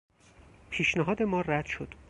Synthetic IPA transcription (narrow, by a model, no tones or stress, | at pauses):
pʰiːʃnæɦɒːd̪e̞mɒːræd̪̥ʃod̪̥